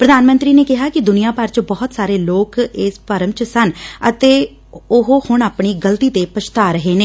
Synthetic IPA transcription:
pɾəd̪aːnmə̃nt̪ɾiːneːkɪɦaːkɪd̪ʊnijaːpəɾt͡ʃbɔːt̪saːɾeːloːkɪːspəɾəmt͡ʃsənət̪eː | ʊɦhʊɳaːpɳiːɡəlt̪iːt̪eːpət͡ʃt̪aːɾəɦeːneː

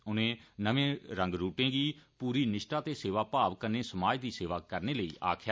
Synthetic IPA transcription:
ʊnẽːnəʋẽːɾə̃ŋɡɾuːʈẽːɡiːpuːɾiːnɪʃʈaːt̪eːseːʋaːpaːʋkənẽːsəmaːd͡ʒd̪iːseːʋaːkəɾneːləiːʔa̰ːkʰa

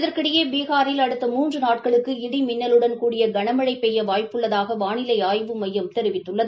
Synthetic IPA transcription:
ɪðɐɾkɪɽɐjeːbiːɣaːɾɪlɐɽɯt̪ːɐmuːndrɯnaːʈ̚kɐɭɯkːɯɪɽimɪnːɐlɯɽɐnkuːɽɪjɐɡɐɳɐmɐɻɐɪpːɛjːɐʋaːjpːɯɭːɐðaːɣɐʋaːnɪlɐɪaːjʋɯmɐjːɐmt̪ɛɾɪʋɪt̪ːɯɭːɐðɯ

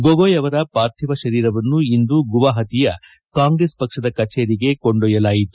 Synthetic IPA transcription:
ɡoɡojɐʋɐɾɐpaːɾt̪ʰiʋɐʃɐɾiːɾɐʋɐnːuind̪uɡuʋaːɦɐt̪ijɐ | kaːŋɡɾespɐkʂɐd̪ɐkɐt͡ʃeːɾiɡe̞koɳɖɔjɐlaːjit̪u̥

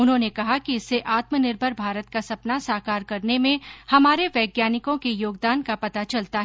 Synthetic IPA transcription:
ʊnɦõnekɐɦakiɪsːeʔaːt̪mənɪɾbʱəɾbʱaːɾət̪̚kasɐpnasaːkaːɾkɐɾnemẽhɐmaːɾeʋɛːɡjaːnɪkõkejoːɡd̪aːnkapɐt̪at͡ʃɐlt̪aɦ

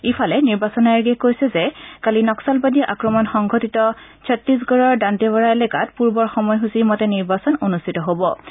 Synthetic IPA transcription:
ipʰalɛniɹbasɔnaaɹɡɛkojsɛzɛkalinɔksalbadiʔakɹɔmɔnxɔŋɡʱotitɔsʰɔtɹis̬ɡɔɹɔɹdantɛbɔɹaelɛkatpuɹbɔɹxɔmɔjɦusimɔtɛniɹbasɔnonustʰitɔɦobɔ

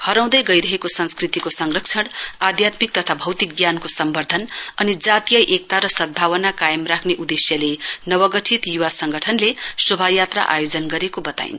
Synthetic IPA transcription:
hʌɾaw̃d̪ʌjɡʌjɾʌɦekosʌnskrit̪ikosʌŋɡrʌkt͡sʰʌɽad̪ʱjat̪mik̚t̪ʌt̪ʰabʱʌwt̪ik̚ɡjankosʌmbʌrd̪ʱʌnʌnid͡zat̪ijʌjʔek̚t̪aɾʌsʌd̪̚bʱawʌnakajʌmrakʰneʔud̪esjʌlenʌwʌɡʌʈʰit̪juwasʌŋɡʌʈʰʌnlesobʱajat̪ra̰ʔa̰jod͡zʌnɡʌɾekobʌt̪a̰j̰n

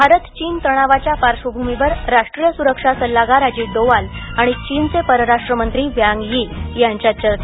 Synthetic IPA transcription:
bʱaɾət̪t͡ɕiːnt̪əɽ̃aʋat͡ɕjapaɾʂʋəbʱumiʋəɾɾaʂʈɾijəsuɾəkʂasəlːaɡaɾad͡ʑiːɖ̪oʋalaɽ̃it͡ɕiːnt͡sepəɾəɾaʂʈɾəmənt̪ɾiːʋjaŋɡjijaɲt͡ɕjat͡ɕəɾt̪

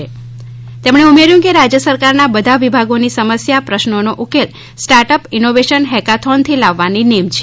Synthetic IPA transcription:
e | t̪emɳeumeɾjũkeɾad͡ʒjəsəɾkaɾnabəd̪ʱaʋibʱaɡonisəməsjapɾəʃnonoʔukel | sʈaɾʈəpɪnoʋeʃənɦɛkat̪ʰont̪ʰilaʋːaninemt͡ʃʰ

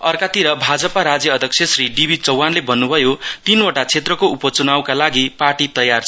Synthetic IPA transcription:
ʌrkat̪iɾʌbʱad͡zʌpaɾad͡zjʌʌd̪ʱʌk̚sʰjʌsriɖibʱit͡sʌwːanlebʌnːubʱʌjot̪inoʈat͡sʰet̪rʌkoupʌt͡sunawkalaɡiparʈit̪ʌjart͡sʰ

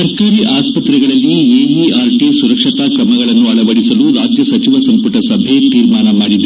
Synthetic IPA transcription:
ɐɾkaːɾiʔaːspɐt̪ɾɛɡɐɭɐlːieːɦiaːɾʈisuɾɐkʂɐt̪ɐkɾɐmɐɡɐɭɐnːuɐɭɐʋɐɽisɐluɾaːd͡ʒjɐsɐt͡ʃiʋɐsɐmpuʈɐsɐbʱet̪iːɾmaːnɐmaːɽid̪e

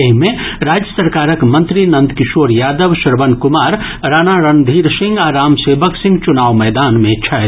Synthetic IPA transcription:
eɦmẽɾaːd͡ʒjəsəɾkaːɾəkmɐ̃nt̪ɾinɐ̃nd̪kɪʃoːɾjaːd̪əʋʃɐɾʋənkʊmaːɾ | ɾaːnaɾənd̪ʱiːɾsɪ̃ŋɡaɾaːmseːbəksɪ̃ŋɡt͡ʃʊnaːʋmɛːd̪aːnmẽt͡ʃʰɐ

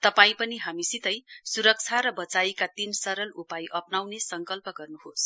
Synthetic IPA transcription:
t̪ʌpaĩpʌniɦamisit̪ʌjsuɾʌk̚t͡sʰaɾʌbʌt͡saikat̪insʌɾʌlupajʔʌpnawnesʌŋkʌlpʌɡʌrnuɦos

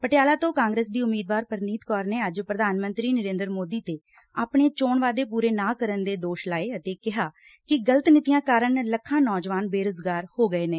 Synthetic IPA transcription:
pəʈjaːlaːt̪õːkãːŋɡɾeːsd̪iːʊmːiːd̪ʋaːɾpəɾniːt̪kɔːɾneːəd͡ʒpɾəd̪ʱaːnmənt̪ɾiːnəɾẽːnd̪əɾmoːd̪iːt̪eː | aːpɳeːt͡ʃoːɳʋaːd̪eːpuːɾeːnaːkəɾənd̪eːd̪oːʃlaːeːət̪eːkɪɦaː | kɪɡələt̪nɪt̪ijãːkaːɾəɳləkʰːãːnɔːd͡ʒʋaːnbeːɾʊzɡaːɾhoːɡəeːneː

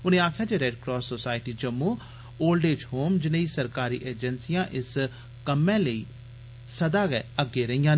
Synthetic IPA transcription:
ʊnẽːaːkʰjaːd͡ʒeːɾɛːɖkɾɔːsːoːsaːɪʈiːd͡ʒəmːũː | oːlɖeːd͡ʒɦoːmd͡ʒɪnəiːsəɾkaːɾḭːʔeːd͡ʒənsijãːʔɪs | kəmɛ̃ːləiː | səd̪aːɡɛəɡːeːɾəijãːn

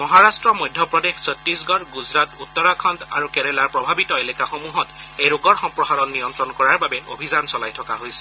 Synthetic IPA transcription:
mɔɦaɹastɹɔmojdʱːɔpɹɔdexsɔtːɹisɡɔɹɡuzɹatutːɔɹakʰɔnta̰ɹukɛɹɛlaɹpɹɔbʱabitɔelɛkaxomuɦɔtejɹoɡɔɹxɔmpɹɔsaɹɔnːijɔntɹɔnkɔɹaɹbabɛo̰bʱizansɔlajtʰɔkaɦojsɛ̥

